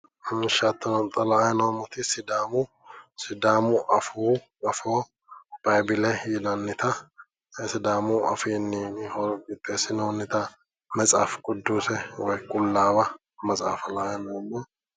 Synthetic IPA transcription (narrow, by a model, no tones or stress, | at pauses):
nʃat̪ːɐnɔnt̪ʼɐlɐajɛnoːmːɔt̪ɪsɪd̪aːmʊ | sɪd̪aːmʊʔɐfuː | ɐfoː | b̥ɐjbɪlɛjɪd̪ɐnːɪt̪ɐ | sɪd̪aːmʊʔɐ̰fiːnːɪhɔɾɡɪt̪ʼːeːsɪnoːnːɪt̪ɐ | mɐt͡sʼa̰ːfkʼʊd̪ːuːsɛwɔjkʼʊlːaːbɐ | mɐt͡sʼa̰ːfɐlaːjɛnoːmːɔ